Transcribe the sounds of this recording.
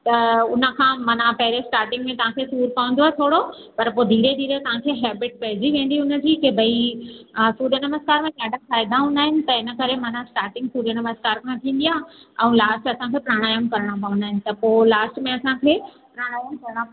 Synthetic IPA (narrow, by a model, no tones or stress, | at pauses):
t̪ɐʊnə̆kʰãːmɐnãpɐɦɪɾesʈaːɾʈɪ̃ŋɡmẽt̪ɐʋ̤ãkʰesuːɾpɐʋə̃n̆d̪oaːɦet̪ʰoːɽo | pɐɾpoːd̪ʱiːɾed̪ʱiːɾet̪ɐʋ̤ãkʰeːɦɛːbɪʈ̚pɐɦɪd͡ʑiʋẽːn̆d̪iʊnəd͡ʑiːkebʱɐi | suːɾənɐməskaːɾmẽd͡ʑaːɖafaːɪd̪aɦʊ̃nd̪aːɦɪnɪ̆t̪ɐɪnə̆kɐɾemɐnãsʈaːɾʈɪ̃ŋɡsuːɾənɐməskaːɾkʰãt̪ʰĩːn̆d̪ijãɛ̃ũlaːsʈɐsãkʰeːpɾaːɽ̃aːjəmkɐɾəɽ̃ãpɐʋʊ̃nd̪aːɦɪnɪ̆t̪ɐpoːlaːsʈmẽɐsãkʰeː | pɾaːɽ̃aːjəmkɐɾɽ̃a